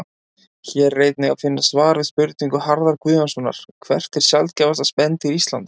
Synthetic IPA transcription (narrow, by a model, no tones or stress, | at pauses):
çɛrːejt̪nɪɣa̰fɪnːasvaːɾvɪðspʏɾt̪niŋkʏhaɾðaɾkvʏːvansɔnːa̰ɾ̥kʰvɛr̥t̪ɪɾ̥sjalt̪̚cɛːvast̪aspɛnt̪ɪɾist̪lant̪